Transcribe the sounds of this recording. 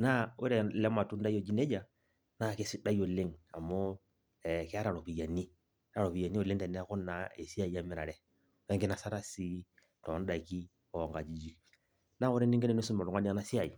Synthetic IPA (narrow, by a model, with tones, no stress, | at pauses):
na˦o˦ɾɛ˨lɛ˦ma˨tu˦n˦da˦jɔ˨d͡ʒi˦nɛ˦d͡ʒa˨ | na˦˨ke˦si˦da˦jɔ˨le˦ŋa˨mɔ˦ | ɛ˨kɛ˦a˦ɾa˨ɾɔ˨pi˨ja˨ni˦ | ɾa˨ɾɔ˨pi˨ja˨ni˦o˨le˦ŋtɛ˨nɛ˦kɔ˦nːa˨e˨si˦a˦˨i˦a˦mɛ˦ɾa˨ɾɛ˦ | wɛ˦ŋɡe˦na˨sa˦ɾa˦si˦ | tɔ˨˦n˦da˨ki˦ | ɔ˨ŋɡa˨d͡ʒi˨d͡ʒi˦ | na˦o˦ɾɛ˦ni˦ŋɡɛ˦nɛ˨ne˦su˦mɔ˨ɾɔ˨ŋa˦ni˦a˦na˦si˦a˨i˨